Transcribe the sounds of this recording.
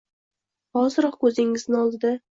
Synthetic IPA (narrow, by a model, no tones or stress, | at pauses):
ɒzɪɾɒqkʰɵzɪŋɪznɪɒlˠd̪ɪd̪ɪ